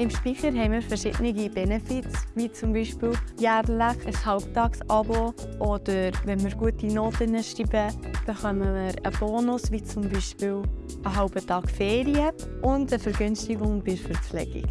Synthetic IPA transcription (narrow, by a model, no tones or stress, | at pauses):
ɪmʃpiχəɾɦɛɪmiːɾfɛɾʃɪ̰d̥nɪɡib̥ɛnɛfɪtsvit͡sʊmbiʃpɪːljæːrlæχəshɑʊptɑːksɑbo | ʔɔd̥əɾvɛnmɪːɾɡ̥uətinoːtənəʃɾiːbəb̥əχœməməɾəb̥oːnʊsʋit͡sʊmbiʃpɪːw | əɦɑʊb̥ətɑːɡ̥fɛːɾiəʊndəfəɾɡʏnstiɡʊŋb̥ɪɾfəɾflɛ̰ɡ̥ḭk